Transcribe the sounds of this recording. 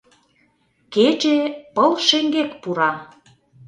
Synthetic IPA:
ket͡ɕepəlʃeŋɡekpuɾɑ

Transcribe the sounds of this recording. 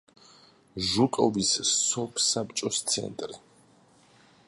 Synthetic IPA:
ʒukʼɔvisːɔpʰsapt͡ʃʼɔst̪sʰɛ̰nt̪ʼɾi

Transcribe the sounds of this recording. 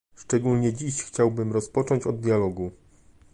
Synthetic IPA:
ʂt͡ʂɛɡulɲɛd͡ʑiɕxt͡ɕawbɘmɾɔspɔt͡ʂɔɲt͡ɕɔd̪̚ːʲjalɔɡu

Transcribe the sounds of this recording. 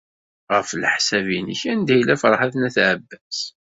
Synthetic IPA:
ʁəflħsæviniçænd̪æjlæfɾˤħaθnæθʕəbːæs

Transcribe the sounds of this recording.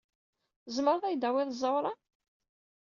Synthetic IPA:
zəməɾˤθæjd̪æwɪðˤzˤːɑwɾˤɑ

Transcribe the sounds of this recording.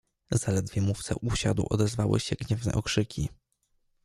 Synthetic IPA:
z̥alɛd̪vʲjɛmuft̪sɛ̰ʔuɕad̪wʔɔd̪ɛzvawɘ̰ɕɛɡɲɛvnɛ̰ʔɔkʂɘkʲʰi

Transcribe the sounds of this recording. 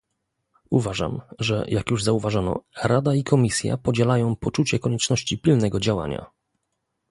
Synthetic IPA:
uvaʐa̰mʐɛ̰jʔakjuʐzauvaʐanɔ̰ɾad̪aikʰɔmʲisʲja̰pɔd͡ʑɛlajɔ̃w̃pɔt͡ʂut͡ɕɛkɔɲɛt͡ʂnɔɕt͡ɕipʲilnɛɡɔd͡ʑawa̰ɲa̰

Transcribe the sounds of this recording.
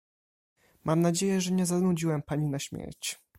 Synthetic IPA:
mʔamnad͡ʑejɛʐɛɲɛzanud͡ʑiwɛmpaɲinaɕmʲjɛ̰ɾt͡ɕ

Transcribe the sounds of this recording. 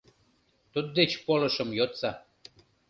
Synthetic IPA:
t̪ud̪̚d̪et͡ɕpolə̆ʃə̆mjot̪t͡sɑ

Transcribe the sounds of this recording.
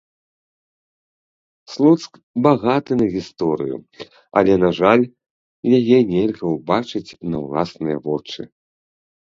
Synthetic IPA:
slˠɔt̪sk | baɣat̪ɨnɐɣʲist̪ɔɾɨjṵ | ɐ̰lʲɛnaʐalʲ | jajɛnʲɛlʲɣɐwbat͡ʂɨt͡sʲnɐwlˠasnɨjɐ̰vɔt͡ʂɨ̰

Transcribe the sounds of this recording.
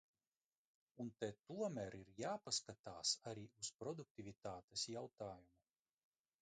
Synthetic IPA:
unt̪ɛt̪uɔmʲæɾiɾjaːpaskat̪aːsaɾiːuspɾɔd̪uk̚t̪ʲivʲit̪aːt̪esjawt̪aːjumu

